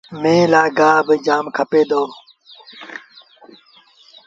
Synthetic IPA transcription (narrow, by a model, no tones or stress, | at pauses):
mẽːlaːɡaːbɪd͡ʒaːmkʰəpeːd̪oː